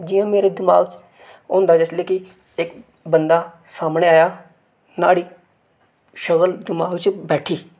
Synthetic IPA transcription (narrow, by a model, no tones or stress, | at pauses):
d͡ʒɪjãːmeːɾeːd̪ɪma̰ːɡt͡ʃ | õːnd̪aːd͡ʒɪsleːkɪ | ɪk | bənd̪aː | saːmɳeːaːjaː | na̰ːɽiː | ʃəɣəld̪ɪmaːɡt͡ʃbɛːʈʰiː